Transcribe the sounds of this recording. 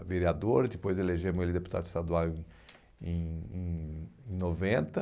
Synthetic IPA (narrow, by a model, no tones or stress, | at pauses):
veɾiad̪oɾd̪ɪpojzeleʒẽmʊ̃elɪd̪epu̥t̪a̰d̪ʊɪst̪ad̪uawẽ | ẽj̃ẽẽj̃novẽnt̪ɐ